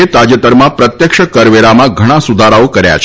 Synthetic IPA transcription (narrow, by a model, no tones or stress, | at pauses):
et̪ad͡ʒət̪əɾmãpɾət̪jəkʃəkəɾʋeɾamãɡʱəɽ̃ãsud̪ʱaɾaokəɾja̰t͡ʃʰ